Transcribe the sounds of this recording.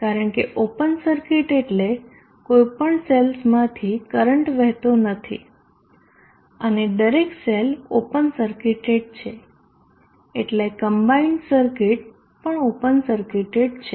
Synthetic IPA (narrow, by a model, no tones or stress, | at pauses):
kaɾəɳkeʔopənsəɾkiʈeʈle | kojpəɳselsmãt̪ʰikəɾəɳʈʋɛɦt̪onət̪ʰḭ | əned̪əɾekselopənsəɾkiʈeɖ̚t͡ʃʰe | eʈlekəmbainsəɾkiʈ̚ | pəɳopənsəɾkiʈeɖt͡ʃʰe